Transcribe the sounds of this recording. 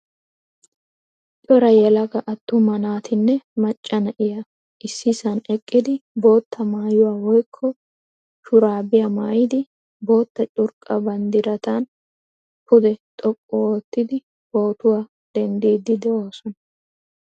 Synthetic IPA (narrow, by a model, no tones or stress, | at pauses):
t͡ʃʼɔɾɐjɛlɐɡɐʔɐt̪ːʊmɐnaːt̪ɪnːɛmɐt͡ʃʼːɐnɐʔɪjɐ | ʔɪsːɪsɐnɛkʼːɪd̪ɪbo̞ːt̪ːɐmaːjʊwaːwɔjkʰːɔ | ʃʊɾaːbɪjamaːjɪd̪ɪ | bo̞ːt̪ːɐt͡ʃʼʊɾkʼɐbɐnd̪ɪɾɐt̪ɐn | pʰʊd̪ɛt̪ʼɔkʼːɔoːt̪ːɪd̪ɪ | bo̞ːt̪ʊwaː | d̪̥ɛnd̪iːd̪ɪd̪ɛoːsɔnɐ